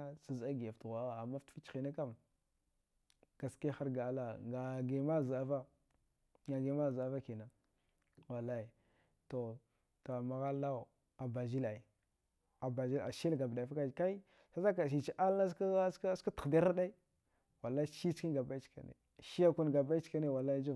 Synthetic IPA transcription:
sa˨za˦ɡi˨ja˨ftɣa˨ɣa˨ma˦ftfi˦t͡ʃxi˨na˦ka˦m | ɡ̥a˨ski˦xa˦ɾɡa˨˦la˨ŋa˨ɡe˨ma˦˨za˦va˦ | ŋɡa˨ɡe˨ma˦˨za˦va˦ki˨na˨ | wa˨la˦i˨ | to˨ | ta˨ma˨ɣa˦la˦u˨ | a˨ba˨zi˦la˨i˨ | a˨ba˨zi˦la̰˨ʃi˦lɡa˨bda˨fa˦ka˦˨ka˦i˦ | sa˦za˦ka˨ʃ̬i˨t͡ʃi˦ʔa˦la˦ska˦sska˦tə̥˨da˦ɾa˦ɗa˦i˦ | wa˨la˦ʃi˦t͡ʃki˦ɡa˨ba˦i˦t͡ʃka̰˨nḛ˨ | ʃi˦ja˦ku˦nɡa˨ba˦i˦t͡ʃka˦ne˦wa˨la˦i˦d͡ʒu˦

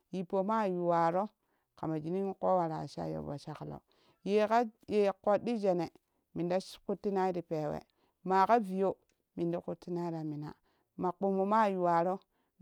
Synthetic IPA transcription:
ji˨po˨ma˦˨ju˨wa˨ɾo˦ | ka̰˨ma˨d͡ʒi˨ni˦ŋ˦ko˦wa˨ɾa̰˨ʃa̰˦jo̰˨ba̰˨ʃa˦klo̰˨ | je˨ka˦je˨ko˨di˦d͡ʒe˨ne˨ | mi˨nda˦ku˦tːi˦na˦i˦ɾi˨pe˨wḛ˨ | ma˨ka˦vi˨jo˦ | mi˨nda˦ku˦tːi˦na˦i˦ɾa˨mi˨na̰˨ | ma˨k͡po˨mo˨ma˦˨ju˨wa˨ɾo˦

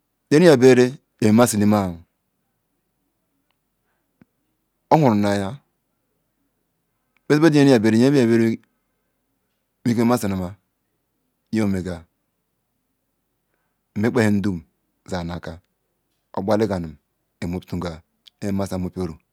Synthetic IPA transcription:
de˦ni˦a˨be˦ɾe˦ | e˨me˨ma˦si˨li˦ma˦˨ | o˦hu˨ɾna˨˦ja˦ | be˦be˦de˦i˦a˨be˨ɾe˨˦i˦a˨be˦ɾ | mi˦ke˦ma˦si˨na˨ma˦ | jo˦me˨ɡa˨ | me˦k͡pe˦he˦n̩˦du˦m˨ | za˨n˨a˨ka˦ | o̰˨ɡ͡ba˦li˦ɡa˨nu˨m | e˨mo˨˦ptu˨ɡa˨ | e˦e˦ma˦˨sa˨mo˦po˦ɾo˨

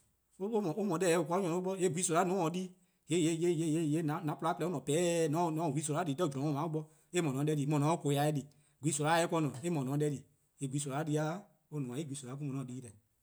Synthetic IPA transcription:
o˦o˦mɔ̃˨o˦mɔ̃˨˦dɛ˦˨ɛ˧o˨kɔ˧˦ɔ̃˨˧˦ɓɔ˦je˨˦˨ɡʷi˨˦so˨˧ɾa˨˦nũ˨˦ɔ̃˨˦di˦ | je˨˦je˦˨je˦˨je˦˨je˦˨je˦nã˨˦nã˨˦pu˧a˨˦plɛ˧˦nɔ̃˨pɛː˨˦˨nɔ̃˨˦nɔ̃˨˦˨ɡʷi˨˦s̬o˨˧ɾa˨˦di˨˦tɛ˦d͡ʒ̃ɔ̃˨˦ɔ̃˦˧mã˨˦o˦ɓɔ˧˦ | e˦mɔ̃˨nɔ̃˨˦dɛ˧liː˨mɔ̃˨nɔ̃˨˦o˦ko˧˦ja˨˧ɛ˧˦di˨ | ɡʷi˨˦so˨˧la˨˦ɛ˦kɔ̃˧˦nɔ̃˨e˦mɔ̃˨nɔ̃˨˦ɛ˧˦li˨ | e˨ɡʷwi˨˦so˧la˨˦di˧a˦ | o˦nũ˨ã˨e˦ɡʷi˨˦so˨la˨˦k̬u˦mɔ̃˨nɔ̃˨˦iː˦lɛ˨

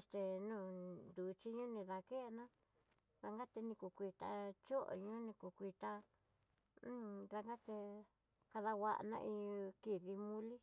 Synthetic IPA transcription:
e˧st̪e˧nũ˦˨nd̪u˨t͡ʃi˦ɲũ˦nĩ˧ða˧ke˦˧nã˦ | ða˧ŋɡa˦t̪e˧nĩ˧ku˨kʷi˧t̪a̰˧t͡ʃo˦ʔo̰˧ɲũ˦nĩ˧ku˧kʷi˧t̪a˧˦ | ða˧ŋɡa˦t̪e˧ | ka˧ða˧wa˧ʔnã̰˧ʔĩ˧ki˧ði˧mũ˦li˦

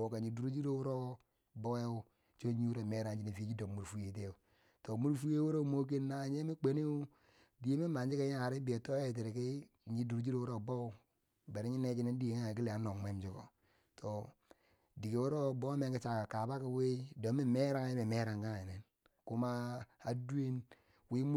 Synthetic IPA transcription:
o˨ka˨ɲi˨du˨˦ɾu˦d͡ʒi˦ɾo˦wu˦ɾo˦ | bo˦we˦wu˦ | t͡ʃo˦ɲi˦u˦ɾo˦˨me˦ɾa˨˦d͡ʒi˦ne˨fi˦d͡ʒi˦do˨mu˨ɾfu˦je˨t̬e˦u˨ | to˨mu˦ɾfu˦je˦wu˦ɾo˦mo˦k̬e˦nːa˦˨ɲe˦me˦k͡pe˨˦ne˦u˦ | di˨je˦me˦ma˨ɲd͡ʒi˦ke˦a˨ɾi˦bi˨e˨to˦e˦˨t̬i˨ɾi˨ki˦˨ | ɲi˦du˨ɾu˦d͡ʒi˦ɾo˦wu˦ɾo˦˨bo˦u˦ | be˨ɾi˦ɲi˦ne˦t͡ʃi˦ne˦n˦di˦jŋ˦˨ki˦li˨a˨˦no˨me˦md͡ʒi˦ko̰˨ | tʰo˨ | di˨ke˨wu˦ɾo˦bo˦me˦ŋki˦t͡ʃa˨ka˨ka˨ba˦ki˦we˦do˨˦mi˦me˦ɾa˦ŋa˨˦i˦me˨me˦ɾa˨ŋka˦ŋ˨i˨ne˨n | ku˦ma˦a˨du˦e˦n | wi˦mu˦

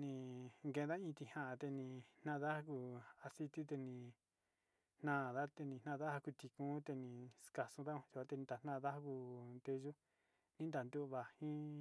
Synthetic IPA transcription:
nĩ˧ŋɡẽ˧n˧ða˦ĩ˧t̪i˧hã˨ʔt̪e˧nĩ˧n̥nã˦ða˦a˧ku˧a˧si˧t̪i˦t̪e˧nĩ˧ | n̥nã˦˨ða˦t̪e˧nĩ˧˨n̥ã˦˧ða˦ha˧ku˧t̪i˧kũ˦t̪e˧nĩ˨ska˨sũ˧ða˦ũ˧ʒu˧a˧t̪e˧nĩ˧d̪a˨nã˦˨˧ða˦hku˧nd̪e˧ʒu˦ | nĩ˦nd̪a˨nd̪u˦ʔβa˨hĩ˦

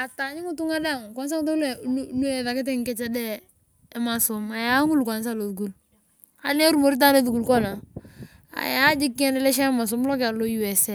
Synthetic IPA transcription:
a˨ta˨ɲɪ˦ŋu˦tu˦ŋa˦da˦˨ŋ˨kɔ˨n˦s̬a˦ŋ˦to˦ɛ˨lu˦ɛ˨ða˨kɪ˦t̬ɪ˦ŋ˦kɛ˦t͡ʃɛ˦dɛ˦ | ɪ˦ma˨sʊ˨ma˨ja˦ŋu˦lka˨ns̬a˦lo˨ðu˨ku˦l | a̰˨nɛ˦ɾu˦mo˨ɾi˦t̬a˦lo˦ðu˨ku˨lkɔ˦na˨ | a̰˨ja˦d͡ʒɪ˦kːɛ˦ndɛ˦lɛ˦ʃ̬ɛ˦ma˨s̬ʊ˨˦mlɔ˦ka˨lo˦ju˨ɛ˨sɛ˦

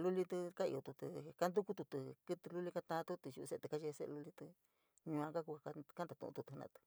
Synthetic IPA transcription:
lu˦li˧t̪ɨ˧ka˦ḭ˧o˧t̪u˧t̪u˧ka˦nd̪u˦ku˦t̪u˧t̪u˧kɨ˦t̪ɨ˧lu˦li˧ka˧t̪ã˧t̪u˦t̪u˧ju˧se˧t̪ɨ˧ka˦ʃe˧sḛ˦˧lu˦li˧t̪ɨ˧ | ɲũ˧ã˧ka˦ku˧a˧a˧ka˦nd̪a˨˧ṵ̃˧ṵ̃˧t̪u˧t̪u˧nã̰˧t̪ɨ̥˧

